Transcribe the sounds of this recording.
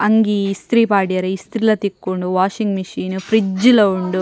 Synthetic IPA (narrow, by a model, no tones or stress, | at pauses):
ɐŋɡiːst̪ɾiːpaːɽaːɾɐist̪ɾilɐːt̪ikːuɳɖuʋaːʃiŋɡmɐʃiːnupʰɾid͡ʒulɐuɳɖu